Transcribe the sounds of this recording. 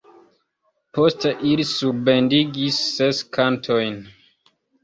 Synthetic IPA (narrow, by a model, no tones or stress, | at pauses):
posteʔilisuɾbe̞ndiɡisːeskʰantʰojn